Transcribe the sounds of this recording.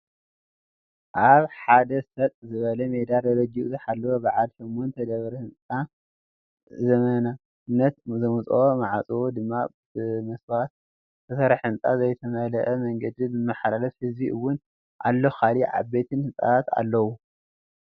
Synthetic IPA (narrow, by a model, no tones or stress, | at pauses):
ʔaβħad̪ɐsɐt̪ʼzɨβɐlɐmed̪alɐɾɐd͡ʒiʔzɐħalːɐwobaʕalʃomːont̪ʰɐd̪ɐβɾɐhɨnt͡sʼa | zɐmɐnɐna | ɨnːɐt̪zɐmut͡sʼomaʕat͡sʼɨwod̪ɨmːa | bɨmɐswat̪̚ | t̪ʰɨsɐɾħɨnt͡sʼa̰zɐjt̪ʰɐmɐlɐʔɐmɐŋɡɐd̪izɨmːɐħalalɐfhɨzbiʔɨwːʊn | ʔalːoxaliʕa̰bet̪ʰɨnhɨt͡sʼa̰at̪a̰lːɐwu